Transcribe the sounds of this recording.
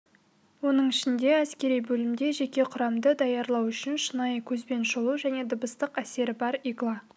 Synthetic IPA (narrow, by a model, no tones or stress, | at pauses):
wo̞nəɴɪʃɪnd̪e̞æskʲe̞ɾijbɵlɪmd̪e̞ʒe̞kʲe̞qʰʊɾɑmd̪əd̪ɑjɑɾlˠɑwʏʃɪnʃənɑjkʲʰɵzbe̞nʃolˠuʒæne̞d̪ʊbəst̪əqæse̞ɾɪbɑɾiɡlˠɑ